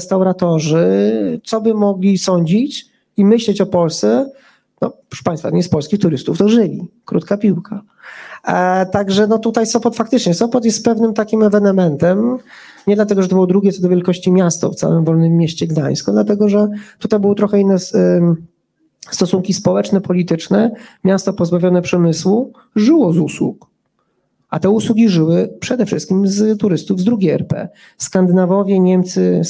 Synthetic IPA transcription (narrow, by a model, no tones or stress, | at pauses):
st̪awɾat̪ɔʐɘt̪sɔbɘmɔɡlʲisɔɲd͡ʑit͡ɕ | imɘɕlɛt͡ɕɔpɔlst̪ɛ | nɔ̰pɾɔ̥ʂɛ̥paj̃st̪fat̪ɔ̰ɲispɔlskʲixt̪uɾɘst̪uft̪ɔʐɘlʲḭkɾṵt̪kapʲiwkʰa | t̪aɡʐɛnɔt̪ut̪ajsɔpɔt̪fakt̪ɘt͡ʂɲɛsɔpɔt̪̬jɛst̪pɛvnɘmt̪akʲimɛvɛnɛmɛnt̪ɛm | ɲɛd̪lat̪ɛɡɔʐɛt̪ɔbɘwɔd̪ɾuɡʲɛt̪sɔd̪ɔvjɛlkɔɕt͡ɕimʲjast̪ɔ̰ftsa̰wɘmvɔlnɘmːʲjeɕt͡ɕɛɡd̪a̰j̃skɔ̃d̪lat̪̬ɛɡɔʐɛt̪ut̪ajbɨwɔt̪ɾɔxɛinːɛ | st̪ɔsuŋkʲispɔwɛt͡ʂnɛpɔlʲit̪ɘt͡ʂnɛmʲjast̪ɔpɔzbavʲjɔnɛpʂɛmɘswu | ʐɘwɔzuswṵk | at̪ɛuswuɡʲiʐɘwɘpʂɛd̪ɛfʂɘ̰st̪̚kʲimzt̪uɾɘst̪uvzd̪ɾuɡʲejɛ̰ɾpɛ̰ | skand̪ɘnavɔvʲjɛɲɛmt̪sɘ